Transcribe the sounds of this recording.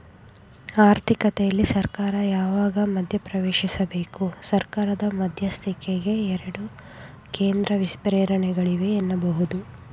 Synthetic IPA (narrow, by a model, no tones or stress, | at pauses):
aːɾt̪ʰikɐt̪ɛjɐlːisɐɾkaːɾɐjaːʋaːɡɐmɐd̪ʱjɐpɾɐʋeːʃisɐbe̞ːkusɐɾkaːɾɐd̪ɐmɐd̪ʱjɐst̪ʰikeɡe̞ɛɾɐɽu | ke̞ːnd̪ɾɐʋispɾeːɾɐɳɛɡɐɭiʋe̞ːnːɐbɐɦud̪u